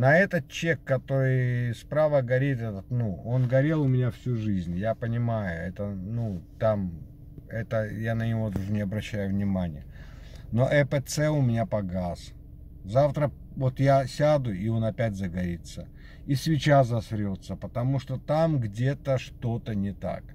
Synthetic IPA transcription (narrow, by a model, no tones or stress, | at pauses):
nɐɛt̪ət̪̚t͡ɕe̞kːɐt̪o̞ɾɨjspɾavəɡɐɾʲit̪ɛt̪ət̪nuo̞nɡɐɾʲe̞lˠʊmʲɪnʲafsʲuʐɨzʲnʲjapənʲɪmajʊɛt̪ənut̪am | ɛt̪əjanənʲɪvo̞d̪uʐɨnʲɪɐbɾɐɕːæjʊvnʲɪmanʲɪ̰jə | no̞ʔɛpɛt̪sɛʊmʲɪnʲapɐɡas | zaft̪ɾə | vo̞t̪jasʲad̪ʊio̞nɐpʲætʲzəɡɐɾʲit̪sə | isʲvʲɪt͡ɕazɐsɾʲot̪səpət̪ɐmuʂt̪ot̪amɡdʲe̞t̪əʂt̪o̞t̪ənʲɪt̪a̰k